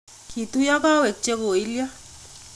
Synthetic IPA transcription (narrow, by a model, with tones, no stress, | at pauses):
kʰi˨t̪u˦ja˦ka˦we˨k̚t͡ʃe˦ɣo˨i˦lja˦